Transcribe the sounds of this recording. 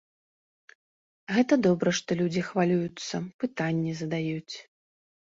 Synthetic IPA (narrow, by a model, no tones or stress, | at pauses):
ɣɛt̪ɐd̪ɔbɾɐʂt̪ɔlʲud͡zʲixvalʲujut̪sːɐpɨt̪anʲːɛzɐd̪ajut͡sʲ